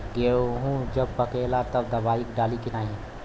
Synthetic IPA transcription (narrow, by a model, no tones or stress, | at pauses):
ɡeɦũd͡ʒəb̚pəkelat̪əbd̪əbaikɖalikiaɦĩ